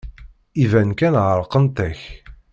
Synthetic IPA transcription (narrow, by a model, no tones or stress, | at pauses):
ivænkænʁəɾˤqənt̪æç